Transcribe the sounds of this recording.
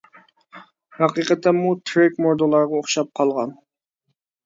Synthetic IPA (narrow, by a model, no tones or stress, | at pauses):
hɑqiqət̪ʰːɛmut̪ʰɾɪkmoɾd̪olˠɑɾʁɑoχʃɑp̚qʰɑlˠʁɑn